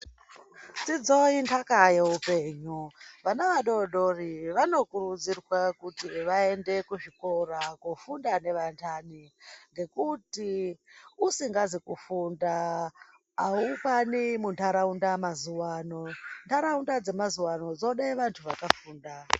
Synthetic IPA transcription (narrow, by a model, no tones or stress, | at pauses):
t͡sid͡zointʰakajeupe̞ːɲuʋanaʋaɗoɗo̞riʋano̞kuɾud͡zirwakutiʋae̞nde̞kuʐikoɾakufundane̞ʋantʰaniŋɡe̞kuti | usiŋɡazikufunda | aukanimuntʰaɾaundamazuwaːno̞ntʰaɾaundad͡ze̞mazuwano̞d͡zo̞ɗeʋantʰuʋakafuːnda